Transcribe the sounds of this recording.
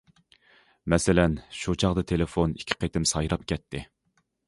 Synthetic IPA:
mɛsɪlɛnʃut͡ʃʰɑʁd̪ɨt̪ʰelɪfonikʲʰːɪ̥qʰet̪ɪmsɑjɾɑp̚kʲʰɛt̪ʰːɪ

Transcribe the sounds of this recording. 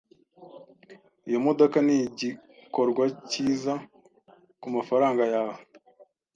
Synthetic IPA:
ijo̞mo̞do̞kaniɟiko̞ɾɡwaciːza | kumafaɾaːŋɡajaa

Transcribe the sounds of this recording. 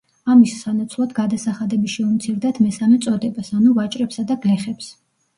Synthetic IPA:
amisːanat̪sʰlˠad̪ɡad̪asaχad̪ɛbiʃɛumt̪sʰiɾd̪at̪ʰmɛsamɛt̪sʼɔd̪ɛbasanuvat͡ʃʼɾɛpsad̪aɡlɛχɛps

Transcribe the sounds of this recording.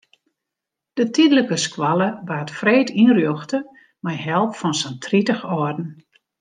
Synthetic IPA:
d̥ətidələkəskwaləʋaːtfreːtinrjøxtə | majɦɛlˠpfɔnsəntʰritəxɔrdn̩

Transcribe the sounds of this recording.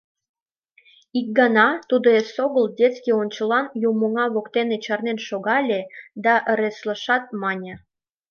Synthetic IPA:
ik̚ɡɑnɑt̪ud̪oesoɣəldʲet͡skionʲt͡ɕə̆lɑnjumoŋɑβokt̪enet͡ɕɑrnenʃoɣɑlʲed̪ɑʔəɾesləʃɑt̪̚mɑnʲe

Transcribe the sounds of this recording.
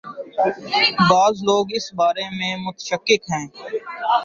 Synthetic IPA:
baːzloːɡɪsbaːɾemẽmʊt̪ə̥ʃəkːɪkɦɛ̃ː

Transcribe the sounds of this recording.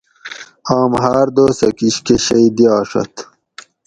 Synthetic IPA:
ɑːmɦaːɾd̪oːsɐkiɕkeɕɐid̪ijɑːʂɐ̰t̪

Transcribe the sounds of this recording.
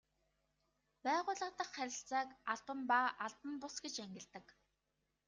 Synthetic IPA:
pæːʁʊːɮə̆t̪ə̆χːæɾʲɪ̆ɬt͡saːkaɮpə̆mpaʔaɮpə̆mpʊsɡet͡ɕæŋɡʲɪ̆ɮt̪ə̆k

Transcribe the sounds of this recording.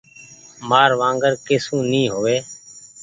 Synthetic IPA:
maːɾʋãːŋɡəɾkeːsũːnĩːɦoːʋeː

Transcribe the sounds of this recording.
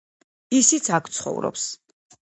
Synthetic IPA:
isit̪sʰakʰt̪sʰχɔ̰vɾɔ̰ps

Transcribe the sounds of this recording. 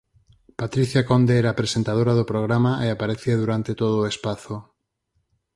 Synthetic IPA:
pat̪ɾiθjakond̪eɛɾapɾesent̪að̞oɾaðopɾoɣ̞ɾamaeapaɾeθiaðuɾant̪et̪oð̞oːespaθo

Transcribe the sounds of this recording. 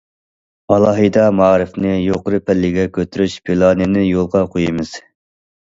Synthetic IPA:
ɑlˠɑːɦɨd̪ɑmɑːɾɨfnɨjoqʊɾɨpʰɛlːɪɡʲɛkʲʰøt̪yɾyʃpʰilˠɑnɨnɪjolˠʁɑqʰojimɨz̥

